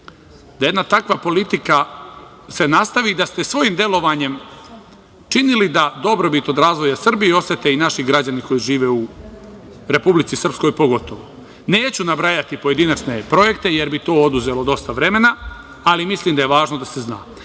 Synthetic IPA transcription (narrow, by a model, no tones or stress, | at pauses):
d̪ajed̪nat̪akʋapo̞lit̪ika | se̞nast̪aʋid̪ast̪esʋo̞jimd̪e̞lo̞ʋaːɲe̞m | t͡ʃinilid̪ad̪o̞bɾo̞bit̪o̞d̪ɾaːzʋo̞jasr̩bieo̞set̪e̞inaʃiɡɾad͡ʑaniko̞jiʒiːʋe̞u | ɾe̞publit̪sisr̩psko̞jpo̞ɡo̞t̪o̞ʋo | ne̞ːt͡ɕunabɾajat̪ipo̞je̞d̪inat͡ʃne̞pɾo̞je̞kt̪eje̞ɾbit̪o̞ːo̞d̪uze̞lo̞d̪o̞st̪aʋɾe̞me̞naː | limisliːmd̪aje̞ʋaːʒnod̪ase̞zna̰ː